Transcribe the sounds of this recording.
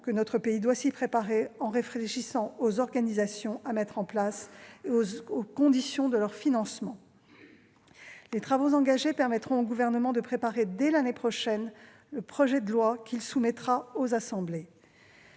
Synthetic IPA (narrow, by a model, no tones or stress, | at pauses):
kənɔt̪χəpeid̪wasipχepaʁeɑ̃ʁefχeʃisɑ̃ozɔʁɡanizasjɔ̃ʔamɛt̪χɑ̃plaseookɔ̃d̪isjɔ̃d̪əlœʁfinɑ̃smɑ̃ | let̪χavozɑ̃ɡaʒepɛʁmɛt̪χɔ̃oɡuvɛʁnəmɑ̃d̪əpχepaʁed̪ɛlanepχɔʃɛn | ləpχɔʒɛd̪əlwakʰʲilsumɛt̪χaozasɑ̃ble